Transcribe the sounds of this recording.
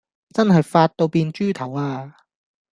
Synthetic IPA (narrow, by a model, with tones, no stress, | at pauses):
t͡sɐ˥nɦɐ˨jfaː˧t̚t̪o˧wpiː˧nt͡ʃyː˥t̪ʰɐ˨˩waː˧